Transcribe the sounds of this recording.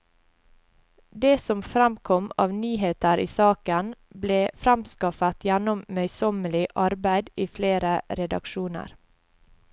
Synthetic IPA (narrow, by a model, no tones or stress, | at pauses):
d̪eːsɔmfɾɛmkʰɔmɑːʋnyːheːt̪əɾʔiːsɑːkən | bleːfɾæmskɑfət̪ʰjænʊmmœʏsɔməlɪʔɑɾbæɪd̪iːfleːɾəɾɛd̪ɑ̰kʃuːnə̰ɾ